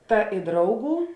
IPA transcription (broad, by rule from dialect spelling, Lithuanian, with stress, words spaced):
ˈtɐ ɪ ˈdrɐʊˌɡuː